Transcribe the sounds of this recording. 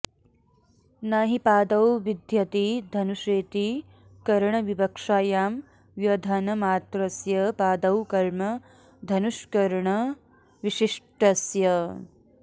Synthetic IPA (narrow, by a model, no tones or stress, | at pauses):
naɦipaːd̪ɐwʋid̪ʱjɐt̪id̪ʱɐnuʃeːt̪i | kɐɾɳɐʋibɐkʂaːjaːm | ʋjɐd̪ʱɐnɐmaːt̪ɾɐsjɐpaːd̪ɐwkɐɾmɐ | d̪ʱɐnuʃkɐɾɳɐ | ʋiʃiʂʈɐsjɐ